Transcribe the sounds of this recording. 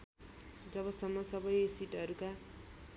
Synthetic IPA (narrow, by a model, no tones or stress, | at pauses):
d͡zʌbʌsʌmːʌsʌbʌjsiʈɦʌɾuka